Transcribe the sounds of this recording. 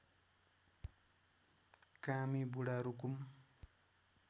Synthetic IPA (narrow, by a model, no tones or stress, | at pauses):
kamibuɽaɾukum